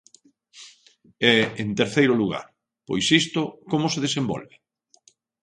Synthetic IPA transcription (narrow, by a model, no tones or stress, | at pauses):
ɛent̪eɾθejɾʊluɣa̰ɾ | po̰jsist̪ʊkomʊseðesembɔ̰lβe